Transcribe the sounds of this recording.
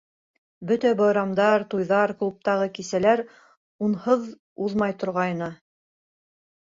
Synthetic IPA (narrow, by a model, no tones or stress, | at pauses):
bɵt̪æbɑjɾɑmd̪ɑɾt̪ujðɑɾklˠup̚t̪ɑʁɤkisælæɾ | unhɤð | uðmɑjt̪ŏɾʁɑjnɤ